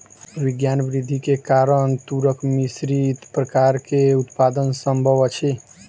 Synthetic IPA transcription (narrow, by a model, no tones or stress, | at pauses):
ʋiɡjanbɾid̪ʱːikekaɾənt̪uɾəkmisɾit̪pɾəkaɾkeut̪pad̪ənsəmbʱəʋt͡ʃʰi